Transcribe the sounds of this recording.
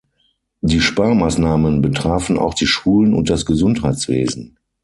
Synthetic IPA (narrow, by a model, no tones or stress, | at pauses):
diːʃpaɐmaːsnaːmənbətʁ̥aːfn̩a̰ʊxd̥iːʃuːlənʊ̰nt̚d̥asɡ̥əzʊnthaɪt͡sv̥ḛːzn̩